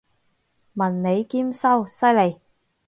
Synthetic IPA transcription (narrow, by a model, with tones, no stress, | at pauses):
mɐ˨nne˨˧jkiː˥msɐ˥wsɐ˥jle˨˩j